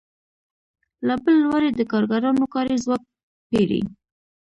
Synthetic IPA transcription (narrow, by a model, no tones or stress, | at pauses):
labəlːwaɾed̪əkɑɾɡaɾɑnokɑɾezwɑk̚ | peɽḭ